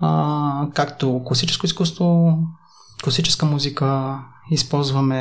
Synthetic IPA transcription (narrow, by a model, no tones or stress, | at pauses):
kakt̪oklˠɐsit͡ʃɛ̥skoiskust̪vo | klˠɐsit͡ʃɛ̥skəmuzikə | ispɔlˠzvɐmɛ